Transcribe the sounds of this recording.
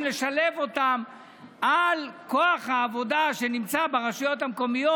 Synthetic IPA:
leʃale̞vo̞t̪am | ʔalko̞aχhaːvo̞d̪aʃe̞nimt͡sabeʁaʃajo̞t̪hamko̞mijo

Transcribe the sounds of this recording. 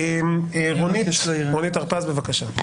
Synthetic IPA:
emeʁoniʃʁonit̪aʁpazbevakaʃa

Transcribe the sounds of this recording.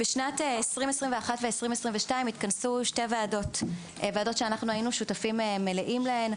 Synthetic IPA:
b̥eʃnateesʁimesʁimveaχatveesʁimesʁimveʃtaimit̪kansuʃte̞veado̞t | veado̞tʃeanaχnuainuʃutafimemeleʔimlaen

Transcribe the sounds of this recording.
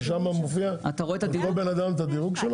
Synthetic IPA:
ʃamamofiaa̰t̪aʁoet̪ad̪iobenad̪amet̪ad̪iʁuɡʃel

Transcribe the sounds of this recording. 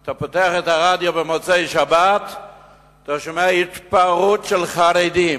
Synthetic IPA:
tapoteaχɛtaʁadjobəmot͡seɪʃabat | taʃomɛait̪paʁutʃɛlˠχaɾedim

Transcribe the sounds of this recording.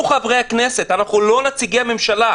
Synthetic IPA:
uχavʁe̞jhakne̞se̞t̪anaχnulo̞nat͡siɡeame̞mʃala

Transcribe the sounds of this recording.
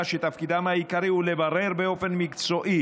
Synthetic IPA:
ʃet̪afkid̪amhaikaʁiulevaʁe̞ʁbeo̞fe̞nmikt͡so̞ʔi

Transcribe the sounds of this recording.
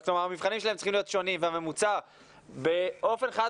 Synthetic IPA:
klomaʁamivχanimʃelaemt͡siχimlio̞t̪ʃo̞nimveame̞mut͡saʁ | be̞ʔo̞fe̞nχa

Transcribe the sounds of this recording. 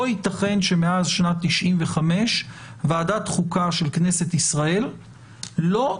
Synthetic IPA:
oit̪aχe̞nʃe̞meazʃnat̪ːiʃʔimveχame̞ʃ | vaːdat̪χukaʃelkne̞se̞tisʁae̞lː | o̞

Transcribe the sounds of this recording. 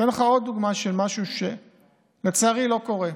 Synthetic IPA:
enleχao̞d̪̚ːuɡmaʃelmaʃuʃe | let͡saːʁilo̞ko̞ʁe

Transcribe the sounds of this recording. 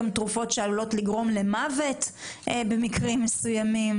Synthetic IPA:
mt̪ʁufo̞tʃealulo̞tliɡʁo̞mle̞mavetbe̞mikʁimːesujamim

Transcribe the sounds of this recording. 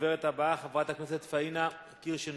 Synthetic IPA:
veʁet̪abaχavʁat̪akneset̪faina | kiʁʃen

